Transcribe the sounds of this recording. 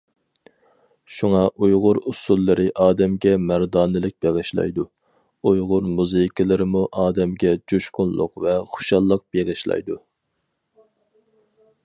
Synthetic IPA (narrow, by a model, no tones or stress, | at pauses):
ʃuŋɑʔujʁʊɾusulˠːɨɾʔɪʔɑːd̪ɛmɡʲɛmæɾd̪ɑːnɨlɪk̚ʲb̥eʁɪʃlˠɑ̰jd̪u | ujʁʊɾmuzɨikʲʰɪlˠɨɾɪmuʔɑːd̪ɛmɡʲɛd͡ʒuʃqʊnlˠʊ̰qvɛχʊ̥ʃɑlˠːəq̚b̥eʁɪʃlˠɑ̰jd̪u